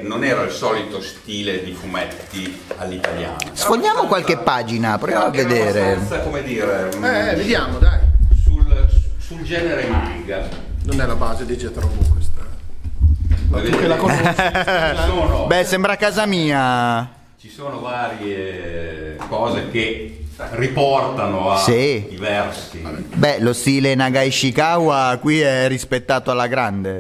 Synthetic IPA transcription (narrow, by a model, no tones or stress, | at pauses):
nonɛːɾailsɔːlit̪ost̪iːled̪ifumɛt̪ːi | alːit̪alja̰ːnnasfond̪jaːmokwalk̟epːaːd͡ʒinapɾojaːmoavːed̪eːɾeakomed̪iːɾeɛved̪jaːmod̪ajsulsuld͡ʒɛːneɾenbiɡa | nonɛlabaːzed̪id͡ʒɛt̪ɾovost̪a | kelako | soːnobɛsɛmbɾakaːzamiːa | t͡ʃisoːnovaːɾje | kɔːzek̟eripɔrt̪anoasid̪ivɛrsibɛlost̪iːlenaɡajʃikawakwiɛrːispet̪ːaːt̪oalːaɡɾand̪e